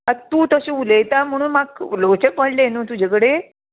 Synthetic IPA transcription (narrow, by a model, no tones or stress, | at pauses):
at̪uːt̪əɕiulejt̪am̤əɽ̃uːnmaklot͡ɕekpəɳlenũːt̪ud͡ʑʱekəɽe